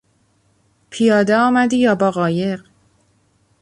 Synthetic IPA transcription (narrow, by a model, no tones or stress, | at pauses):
pʰijɒːd̪eɒːmæd̪iːjɒːbɒːɣɒːje̞ɢ